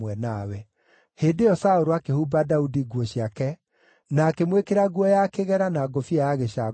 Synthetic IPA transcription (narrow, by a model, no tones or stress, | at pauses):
wɛnawɛ | heːndeɔsaoɾoakehuːbadaudiɡwɔɕiakɛ | naːkemwekeɾaɡwɔjakeɣɛɾanaːɡofiajaɣeɕa